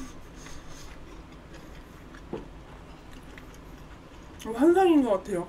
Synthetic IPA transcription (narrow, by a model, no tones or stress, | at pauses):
ohanzaŋinɡʌk͈atʰe̞jo